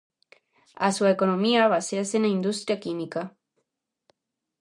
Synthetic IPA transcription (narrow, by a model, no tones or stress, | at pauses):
asuekonõmiaβaseasenaĩnd̪ust̪ɾjakimika